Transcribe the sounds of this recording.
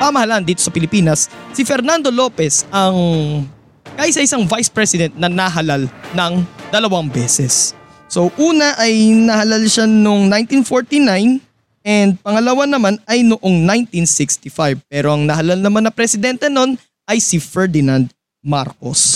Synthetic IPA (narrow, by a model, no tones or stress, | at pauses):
pɐmɐhɐland̪iːt̪osɐpɪlɪpiːnɐsːɪfɛɾnand̪o̞lo̞ːpɛsʔɐŋ | kaːʔɪsɐʔɪsaŋvajspɹɛsɪd̪ɛnt̪̚nɐnɐɦɐlalnɐŋd̪ɐlɐwaŋbɛːsɛsː | oʔuːnɐʔɐjnɐhɐlalʃanoŋnajnt̪infoɹt̪inajn | ʔɛnd̪̚pɐŋɐlɐwanɐmanɐjnʊʔo̞ŋnaj̃nt̪insɪkst̪ɪfajb̚pɛːɾo̞ʔɐŋnɐɦɐlalnɐmanɐpɾɛsɪd̪ɛnt̪ɛno̞n | ʔɐjsɪfɛɹd̪ɪnand̪̚ | ma̰ɾko̰s